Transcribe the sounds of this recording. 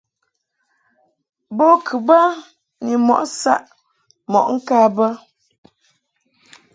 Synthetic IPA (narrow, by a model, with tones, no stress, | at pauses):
bo˦kʰɨ˨ba˦ | ni˨mɔ̰˨ʔsa̰˦ʔ | mɔ̰˨ʔŋ̩˦ka˦bə˦